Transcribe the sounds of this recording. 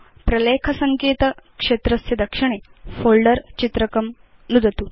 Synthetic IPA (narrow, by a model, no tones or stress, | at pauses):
pɾɐlekʰɐsɐŋkeːt̪əkʂet̪ɾɐsjɐd̪ɐkʂiɳ̃efolɖəɾt͡ɕit̪ɾəkɐm | nud̪ʱət̪u